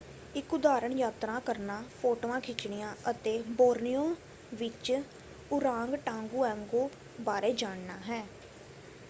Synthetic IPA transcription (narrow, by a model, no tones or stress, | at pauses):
ɪkʊd̪aːɾəɳjaːt̪ɾãːkəɾnaːpʰoːʈoːãːkʰɪt͡ʃɳɪjãːʔət̪eːboːɾnijõː | ʋɪt͡ʃ | ʊɾãːŋɡʈãːŋɡuːɛ̃ːŋɡoː | baːɾeːd͡ʒaːɳnaːɦɛː